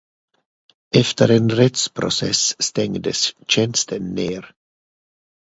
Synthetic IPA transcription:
ɛft̪eɾenrɛt̪spɾo̰sɛsːt̪ɛŋd̪est͡ʃɛnst̪enːeːɾ

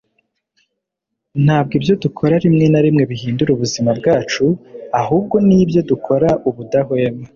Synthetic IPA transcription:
n̥haːb̚ɡibjo̞dukʰo̞ɾaɾimŋe̞naɾimŋe̞βiɦiːnduɾuβuzimabɡaːt͡ʃuaɦuːb̚ɡo̞niːbjo̞dukʰo̞ɾaʔuβudaɦoeme

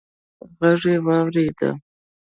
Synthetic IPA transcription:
ɣaʐewɑwɾed̪a̰

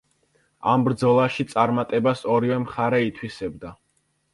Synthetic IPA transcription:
ambɾd̪zɔlˠaʃit̪sʼaɾmat̪ʼɛbasɔɾivɛmχaɾɛit̪ʰwisɛb̚d̪a

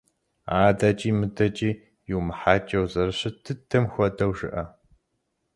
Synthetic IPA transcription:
aːdat͡ʃʼiːmɨdɐt͡ʃʼiː | jɪwmɨħaːt͡ʃʼɐwzɐɾɨɕɐtʰɨtʰɐmxʷɔdɐwʒɨ̰ʔɐ

